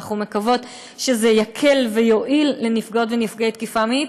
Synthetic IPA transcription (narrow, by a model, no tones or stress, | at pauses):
χume̞kavo̞t̪ | ʃezejakʰe̞lve̞jo̞ʔilːe̞nifɡodvenifɡet̪̚kifamii